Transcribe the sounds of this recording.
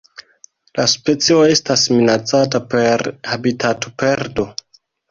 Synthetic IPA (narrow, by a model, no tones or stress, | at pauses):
laspe̞t͡sio̞e̞stasminat͡satape̞ɾhabitatope̞ɾdo̞